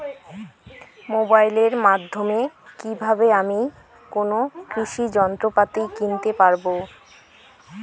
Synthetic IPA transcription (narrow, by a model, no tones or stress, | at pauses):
mobajleɾmad̪ʱːomekibʱabeami | konokɾiʃid͡ʑɔnt̪ɾopat̪ikint̪epaɾbo